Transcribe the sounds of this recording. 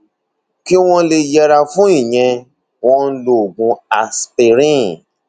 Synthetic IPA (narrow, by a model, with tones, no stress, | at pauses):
ki˦w̃ɔ̃˦le˧jɛ˧ɾa˧fũ˦ĩ˦˨j̃ɛ̃˧ | w̃ɔ̃˦lo˦˨ɡũ˧a˨spe˨ɾĩ˦˨